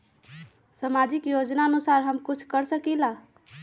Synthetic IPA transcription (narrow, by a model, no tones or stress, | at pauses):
səmad͡ʒikjod͡ʒnaənusaɾɦəmkut͡ʃʰkəɾsəkila